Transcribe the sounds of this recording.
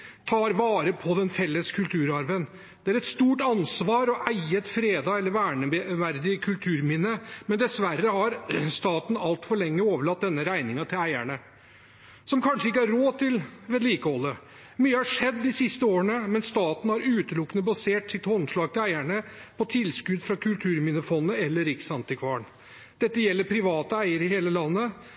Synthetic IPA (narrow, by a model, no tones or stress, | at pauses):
t̪ʰɑːɾʋɑːɾəpʰɔd̪ɛnfɛlːəskʰʉlt̪ʰʉːɾɑɾʋən | d̪̥ɛæɾɛt̪st̪uːʈɑnsʋɑːɾɔʔæɪət̪fɾeːd̪ɑːɛlːəɾʋæːɳəʋæɾd̪ɪəkʰʉlt̪ʰʉːɾmɪnəmɛnd̪ɛsʋærːəhɑɾst̪ɑːt̪n̩ɑlt̪fɔɭɛŋːəoːʋəɭɑt̪̚d̪ɛnːəɾæɪnɪŋɑt̪ʰɪlæɪæɳə | sɔmkʰɑnʂəɪkːəhɑɾɾoːt̪ɪlʋɛːd̪liːkəhɔlːə | myːəhɑʂɛd̪ːɪsɪst̪əoːɾəɳəmɛnst̪ɑːt̪n̩hæɾʉːt̪əlʊkːənəbɑseːʈsɪt̪hɔnʂlɑːɡ̚t̪ɪlæɪæɳəpʰɔt̪ʰɪlskʉd̪fɾɑkʰʉlt̪ʰʉːɾmɪnəfɔnːəɛlːəɾɪksɑnt̪ɪkʰʋɑːɳ | d̪̥ɛt̪ːəjɛlːəɾpʰɾɪʋɑːt̪əæɪəɾəɪheːləlɑnːə